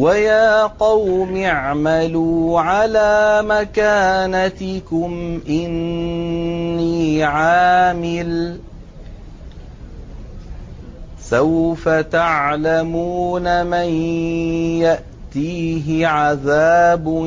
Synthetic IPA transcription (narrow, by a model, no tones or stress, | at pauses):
wajaːqɑwmɪʕmaluːʕalaːmakaːnat̪ɪkʊmʔɪn | iːʕaːmɪl | sawfat̪aʕlamuːnaman | jaʔ | t̪iːɦɪʕaðaːb